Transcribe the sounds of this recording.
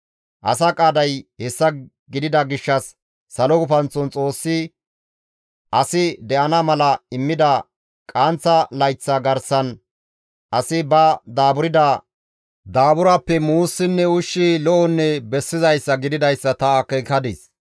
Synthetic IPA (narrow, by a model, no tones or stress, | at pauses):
ʔɐ̰s̬ɐkʼaːd̪ɐjhɛsːɐ | ɡɪd̪ɪd̪ɐɡɪʃːɐsː | ɐlɔɡʊfɐnt͡sːɔnt͡sʼo̞ːsːɪ | ʔɐsɪd̪ɛʔɐnɐmɐlɐɪmːɪd̪ɐ | kʼaːnt͡sːɐlɐjt͡sːɐɡɐɾsɐn | ʔɐsɪbɐd̪aːbʊɾɪd̪ɐ | d̪aːbʊɾɐpːɛmuːsːɪnːɛʊʃːilɔʔɔnːɛbɛsːɪzɐjsːɐɡɪd̪ɪd̪ɐjsːɐt̪ɐːkɛkɐd̪ɪs